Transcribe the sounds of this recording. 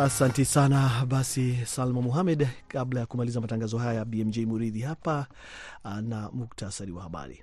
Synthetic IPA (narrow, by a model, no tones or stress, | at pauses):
asantɛsanaɓasisalmamuɦamɛdkablajakumalizamataŋɡazɔɦajabiɛmd͡ʒɛjmuɾiðihapa | namuk̚tʰasaɾiwahaɓa̰ɾḭ